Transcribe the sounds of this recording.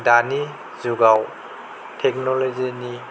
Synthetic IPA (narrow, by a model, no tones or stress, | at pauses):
dani | zuɡaw | tʰek̚nɔlozini